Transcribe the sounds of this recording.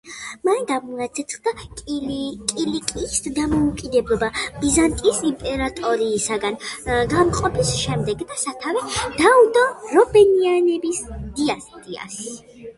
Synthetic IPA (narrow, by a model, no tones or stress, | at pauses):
manɡamuat̪sʰɛt̪sʰχd̪a | kʼilikʼisd̪amɔukʼid̪ɛblˠɔbabizant̪ʼisimpʼɛɾat̪ʼɔɾiːsaɡanɡamqʼɔpʰisʃɛmd̪ɛɡd̪asat̪ʰavɛd̪̥aud̪ɔɾɔbɛnianɛbisd̪iasɛt̪ʼia̰s